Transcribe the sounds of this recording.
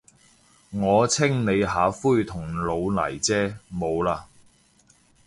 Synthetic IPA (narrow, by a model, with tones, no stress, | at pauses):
ŋɔː˨˧t͡sʰɪ˥ŋne˨˧jɦaː˨˥fuː˥jt̪ʰʊ˨˩ŋlo˨˧wlɐ̰˨˩jt͡sɛː˥mo˨˧wlaː˧